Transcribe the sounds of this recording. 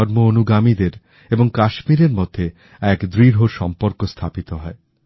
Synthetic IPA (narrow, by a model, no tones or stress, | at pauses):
ɔɾmoonuɡamid̪eɾ | eboŋkaʃmiɾeɾmod̪ʱːe | ɛkd̪ɾiɾɦoɾʃɔmpoɾkost̪ʰapit̪oɦɔe